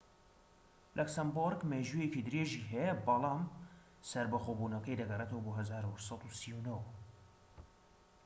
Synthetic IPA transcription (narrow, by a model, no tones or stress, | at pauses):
lʔɛksamboɾɡmeːʒujekid̪ɨɾeːʒiːɦɛjɐbɑlˠɑːm | sɐɾbɐxoːbuːnɐkɐjd̪ɐɡɐret̪ɐwɐboːɦɐzaːɾusɑt̪usiwunow